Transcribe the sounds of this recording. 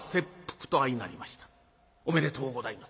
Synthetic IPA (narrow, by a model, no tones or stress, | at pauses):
se̞pːɯ̥kɯ̥t̪o̞aina̰ɾʲimaɕi̥t̪ḁ | ome̞ɾe̞t̪ʰo̞ːɡod̪aimas